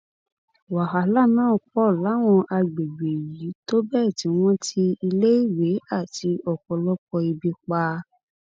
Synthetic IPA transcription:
wa˨ɦa˨˦la˦˨nãː˦˨k͡pɔ˦˨la˨˦w̃ɔ̃˧ʔa˧ɡ͡be˨ɡ͡be˨ji˨˦to˦bɛ˦˨ti˨˦w̃ɔ̃˦tʰi˧i˧le˦i˦˨we˨˦a˦˨ti˨˧ɔ˨kɔ˧lɔ˦kɔ˧i˧bi˧k͡pa˧

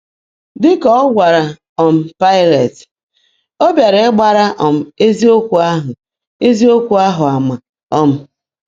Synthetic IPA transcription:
dɪ˦kɔ˦ɔ˦ɡʷa˨ɾa˨ | ɔ˨m̩˨pa˦ɪ˦le˨t | o˦bja˨ɾe˨ɪ˦ɡ͡ba˨ɾa˦ʔɔ˨m̩˨e˦zi˦o˦kʷu˨a˦ɦʊ˨ | e˦zi˦o˦kʷu˨a˦ɦʊ˨a˨ma˨ | ɔ˦m̩˦

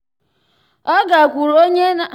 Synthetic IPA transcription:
ɔ˦ɡa˨kʷu˨ɾo˦ɲe˦na˦

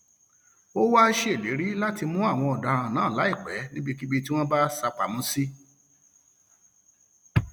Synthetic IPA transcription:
o˦wa˦ʃe˦e˨le˨˦ɾi˦la˦ti˧mũ˦a˦˨w̃ɔ̃˧ɔ˨da˨ɾ̃ã˧nãː˨˦˨la˨˦i˦˨k͡pɛ˨˦nĩ˦bi˧ki˦bi˦ti˦w̃ɔ̃˦ba˦sa˧k͡pa˨mũ˦si˦

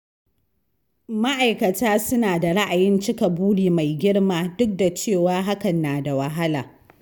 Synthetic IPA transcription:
ma˦ʔa˨jkɐ˨taː˦sʊ˦naː˨da˨ɽa˦ʔa˨jɪ˦nt͡ʃɪ˦ka˨buː˦ɽiː˨ma˨jɡʲɪ˦ɽmaː˦dʊ˦k̚da˨t͡ʃeː˦˨waː˦ɦa˦kɐ˨nːaː˨da˨wɐ˨ɦa˦la̰ː˨

